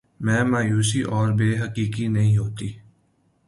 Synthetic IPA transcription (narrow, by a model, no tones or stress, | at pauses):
mɛ̃ːmaːjuːsiʔɔːɾbeːɦəkiːkinɐɦĩɦoːt̪iː